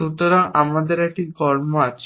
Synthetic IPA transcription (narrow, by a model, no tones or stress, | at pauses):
ut̪oɾaŋa̰mad̪eɾɛk̚ʈiɡɔɾmoat͡ɕʰ